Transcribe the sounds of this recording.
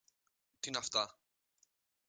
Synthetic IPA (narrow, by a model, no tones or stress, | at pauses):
t̪inaft̪a